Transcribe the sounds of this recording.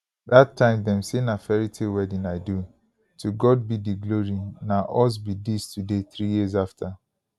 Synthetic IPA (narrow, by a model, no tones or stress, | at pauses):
datʰːãɪ̃mdɛmsenafɛɹitʰiwɛdĩnaɪdu | tʰuɡɔd̚bidiɡloɹinaʔɔs̬bidistʰudeθɾijiz̬aftʰa